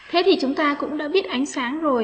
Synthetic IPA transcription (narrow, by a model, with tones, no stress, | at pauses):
t̪ʰe˨˦t̪ʰi˨˩t͡ɕʊ˨˦ŋ͡mt̪aː˧kʊ̰˧˥ŋ͡mɗa̰ː˧˥ɓi˦˥ət̚ʔa˨˦jŋ̟saː˨˦ŋzo˨˩j